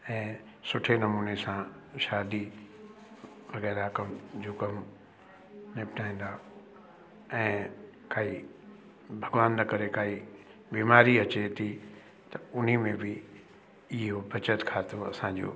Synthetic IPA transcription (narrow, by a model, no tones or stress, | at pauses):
ɛ̃ː | sʊʈʰenɐmuːnesã | ʃaːd̪i | ʋɐɣɛːɾakɐmd͡ʑoːkɐm | nɪpʈʰaːĩːn̆d̪aː | ɛ̃ːkaːi | bʱɐɡʋaːnːɐkɐɾekaːɦi | biːmaːɾiɐt͡ɕet̪ʰi | t̪ɐʊn̤imẽbɪ | ɪɦobʱɐt͡ɕət̪kʰaːt̪oɐsãd͡ʑo̰ː